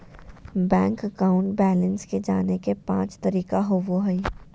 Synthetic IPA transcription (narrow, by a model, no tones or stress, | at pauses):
bɛ̃ːŋkɐkaːʊ̃ɳʈbɛːlənsked͡ʒaːnekepã̰ːt͡ʃt̪ɐɾiːkaɦoʋoɦɐi